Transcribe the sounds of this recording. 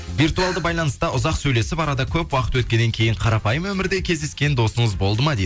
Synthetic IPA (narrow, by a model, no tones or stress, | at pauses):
vijrt̪uɑlˠd̪əbɑjlˠɑnəst̪ɑʔʊzɑqsɵjle̞sɪpɑɾɑd̪ɑkʲʰɵpwɑqət̪wɵt̪kʲe̞nːeŋkʲʰe̞jɪɴqʰɑɾɑpɑjəmwɵmɪɾd̪e̞kʲʰe̞zd̪eskʲe̞nd̪o̞səɴəzbo̞lˠd̪əmɑd̪ejd̪